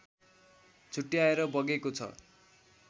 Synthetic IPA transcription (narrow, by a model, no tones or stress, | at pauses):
t͡sʰuʈːiaeɾʌbʌɡekot͡sʰʌ̰